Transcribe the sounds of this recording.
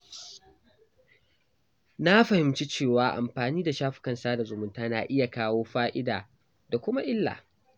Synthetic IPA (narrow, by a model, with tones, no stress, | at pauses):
na˦ɸɐ˨hɪ˨mt͡ʃi˦t͡ʃeː˦˨waː˦ʔa̰˨mɸaː˨niː˦da˨ʃaː˦ɸɪ̥˦kɐ˦˨nsaː˦da˨zʊ˨mʊ˦ntaː˦na̰˨ʔɪ˦ja˨kaː˦woː˦ɸaː˦ʔɪ˦da̰ː˨ | da˨kʷʊ˦ma˦ʔɪ˦lːa̰˨